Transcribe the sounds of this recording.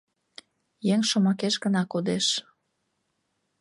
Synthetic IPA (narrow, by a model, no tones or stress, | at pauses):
jeŋʃomɑkeʃɡənɑkod̪eʃ